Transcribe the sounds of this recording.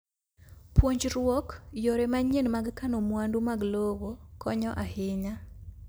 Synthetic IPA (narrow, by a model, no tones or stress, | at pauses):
pwoɲd͡ʒɾwɔkjoɾɛmaɲenmaɡkanomwandumaɡlowokɔɲɔʔahɪɲa